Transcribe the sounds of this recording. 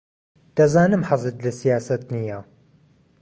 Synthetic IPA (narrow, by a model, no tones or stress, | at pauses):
d̪̥ɐzaːnɨmħazɨt̪lasijaːsɐt̪nija